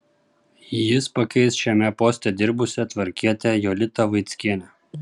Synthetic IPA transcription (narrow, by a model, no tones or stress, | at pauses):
jɪspɐkʲɛɪsʃʲɛmʲɛpoːsʲt̪ʲɛd̪ʲɪɾbʊsʲɛt̪ʲʋɐɾʲkʲiɛt̪ʲɛjolʲɪt̪ɐʋɐɪt̪sʲkʲiɛnʲɛ